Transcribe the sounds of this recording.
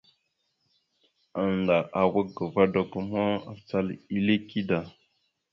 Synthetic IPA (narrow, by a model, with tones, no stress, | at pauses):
a˨nda˨ʔa˨wə˦ɡə˨va˦do˨ɡə˨mo˦a˨t͡sa˦li˦le˦ki˦da˨